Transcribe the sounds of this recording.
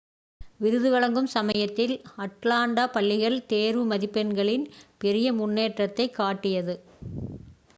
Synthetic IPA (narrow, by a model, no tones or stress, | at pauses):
ʋɪɾɯðɯʋɐɭɐŋɡɯmsɐmɐjɐt̪ːɪlɐʈlaːɳɖaːpɐlːɪɣɐɭt̪eːɾʋɯmɐðɪpːɛnɡɐɭɪnpɛɾɪjɐmʊnːeːʈrɐt̪ːɐɪkːaːʈːɪjɐðɯ